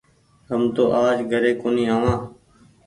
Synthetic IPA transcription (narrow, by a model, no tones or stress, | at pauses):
ɦəmt̪oːʔaːd͡ʒɡʱəɾeːkoːnĩːɦaːʋãː